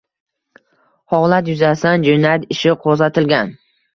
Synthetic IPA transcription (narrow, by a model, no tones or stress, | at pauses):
hɒwlat̪jʊzasand͡ʒonat̪ɪʃɪqʰozat̪ʰɪlɡʲan